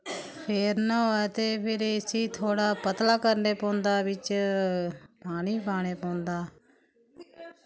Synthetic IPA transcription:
pʰeːɾnaɛt̪eːpʰɪɾsiːt̪ʰoːɽaːpət̪laːkəɾneːpõːnd̪aːʋɪt͡ʃ | paːɽ̃iːpaːɽ̃eːpõːnd̪aː

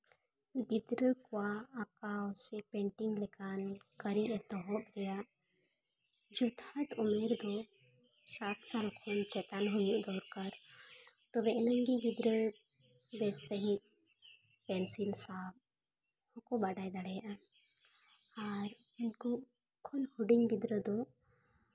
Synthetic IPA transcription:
ɡid̪ɾəkwaːkaɔsɛpɛɳʈɪŋɡlɛkankəɾiʔɛt̪ɔɦɔt̪ɡɛja | d͡ʒot̪ʰat̪ʊmeɾd̪o | saːt̪ʰsalkʰɔnt͡ʃɛt̪anɦujiʔd̪ɔːɾkəɾ | t̪ɔbɛʔnaŋɡiɡid̪ɾə | bɛsəɦĩt̪̚ | pɛnsilsab̚ | hɔkɔbaɖajd̪aɽɛjaʔa | aɾinkɔ | kʰɔnhuɖiɲbid̪ɾəd̪ɔ

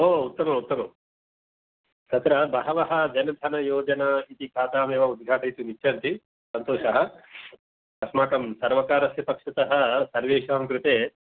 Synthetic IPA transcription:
oːut̪ːɐmɐut̪ːɐmɐm | sɐt̪ɾɐbɐɦɐʋɐɦɐ̆d͡ʒɐnɐd̪ʱɐnɐjoːd͡ʒɐnɐit̪ikʰaːt̪aːmeːʋɐud̪̚ɡʱaːʈɐjt̪unit͡ʃʰːɐnt̪i | sɐnt̪oːʂɐɦɐ̆ | kɐsmaːkɐmsɐɾʋɐkaːɾɐsjɐpɐkʂɐt̪ɐɦɐsɐɾʋeːʃaːmkɾut̪eː

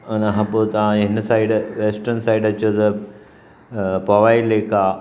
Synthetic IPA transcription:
ɐnaɦɐ̃poːt̪ɐʋãɪɦɪnɐsaːiɖʋeːsʈəɾnsaːiɖɐt͡ɕijot̪ɐ | pɐʋaːileːka

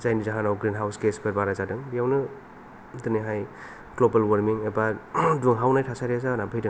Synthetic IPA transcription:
zajnizaɦanawɡɾinɦawskesbeɾbaɾazadɯŋbijawnɯ | dɯniɦaj | ɡlobalwaɾmiŋebaduŋɦawnajtʰasaɾiazanabʱɯjdɯŋ

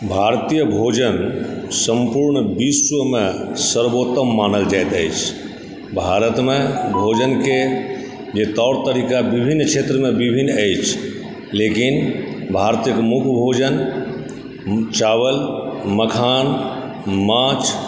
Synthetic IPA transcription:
bʱaɾt̪ijəbʱod͡ʒənsəmpuɾɳbiswəmesəɾbot̪əmːanəld͡ʒajt̪əjt͡ʃʰ | bʱaɾət̪mebʱod͡ʒənke | d͡ʒet̪ɔʊɽt̪əɾikabibʱinːt͡ʃʰet̪ɾəmebibʱinːəjt͡ʃʰ | lekinbʱaɾt̪ijəkemukʰbʱod͡ʒən | t͡ʃawəlməkʰan | mat͡ʃ

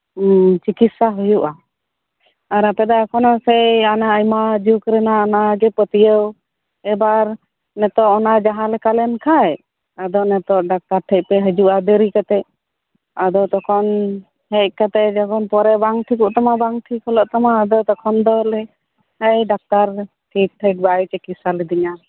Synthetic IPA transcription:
t͡ʃikit̪saɦujuʔa | aɾapɛd̪akʰɔnɔsɛjanaəjmad͡ʒukɾɛnaɔnaɡɛpət̪ijəw | ɛbaɾ | nɛt̪ɔʔɔnad͡ʒaɦãlɛkalɛnkʰaj | ad̪ɔʔnɛt̪ɔʔɖak̚t̪aɾʈʰəc̚pɛɦəd͡ʒuʔad̪əɾikat̪ɛʔ | ad̪ɔt̪ɔkʰɔn | hɛc̚kat̪ɛd͡ʒɔkɔnpɔɾɛbaŋʈʰikuʔt̪amabaŋʈʰikʰɔlɔʔt̪amaːd̪ɔt̪ɔkʰɔnd̪ɔlɛ | həjɖak̚t̪aɾ | ʈʰik̚ʈʰəʈ̚bajt͡ʃɛkisalid̪iɲa

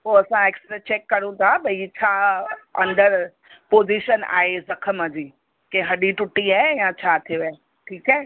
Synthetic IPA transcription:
poːɐsãeːksʈɾet͡ɕeːkːɐɽ̃ũt̪ʰabɐit͡ɕʰaːɐ̃nd̪əɾ | poːziʃəna̰ːɦezɐkʰəmə̃d͡ʑiː | kẽɦɐɗiʈʊʈːiaːejãt͡ɕʰaːt̪ʰioa | ʈʰiːkɛː

